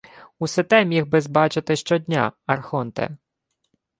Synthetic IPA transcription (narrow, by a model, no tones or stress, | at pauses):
usɪt̪ɛmʲixbɪzbɑt͡ʃɪt̪ɪʃt͡ʃɔd̪ʲnʲa̰ɐrxɔnt̪ɛ̰